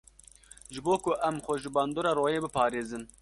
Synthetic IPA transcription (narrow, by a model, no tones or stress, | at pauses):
ʒɨboːkʊʔɛmxʷɔʒɪbɑːnd̪oːɾɑːɾoːjeːbɨpʰɑːɾeːzɨn